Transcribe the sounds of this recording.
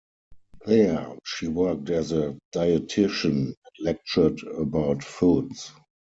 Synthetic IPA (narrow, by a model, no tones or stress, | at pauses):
ðɛʃiːwɜ˞k̚tɛzəd̥aɪətʰɪʃə̃nlɛk̚t͡ʃə˞dəbaʊtfuts